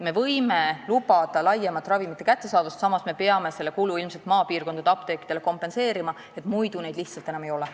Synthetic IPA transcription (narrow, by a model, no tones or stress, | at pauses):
me̞vɤ̞jmelubɑd̪̥ɑlɑjːemɑt̪ːˑrɑvimit̪ːe̞kæt̪ːe̞sɑːd̪̥ust̪sɑmɑsme̞pe̞ɑme̞se̞lːe̞kuluilmse̞lt̪mɑːpiːrko̞nd̪ɑd̪̥ɑpt̪e̞ːkːˑi̥d̪̥eleko̞mpe̞nse̞ːɾimɑ | e̞t̪ˑmujd̪̥une̞jd̪liçht̪sɑlt̪e̞nɑme̞jo̞lɛ